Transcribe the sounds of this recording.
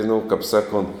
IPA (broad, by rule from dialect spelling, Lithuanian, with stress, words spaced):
nʊ kɐp ˈsɑːˌkoːnt